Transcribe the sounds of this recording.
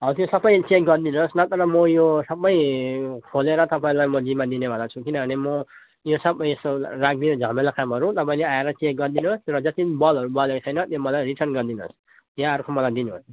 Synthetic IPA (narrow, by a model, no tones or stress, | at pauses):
ɦʌt̪josʌbʌjt͡ʃek̚ɡʌrd̪inosnʌt̪ʌɾʌmʌjosʌbːʌjkʰoleɾʌt̪ʌpaĩlajmʌd͡zimad̪inebʱʌ̃d̪at͡sʰukinʌbʱʌnemʌ | josʌbʌjesorak̚d̪ined͡zʱʌmelakamɦʌɾut̪ʌpaĩleaeɾʌt͡sek̚ɡʌrd̪inuosɾʌd͡zʌt̪ibʌlɦʌɾubʌlekt͡sʰʌjnʌt̪jomʌlajriʈʰʌnɡʌrd̪ino̰s | jaʌɾukʰomʌlajd̪inuo̰s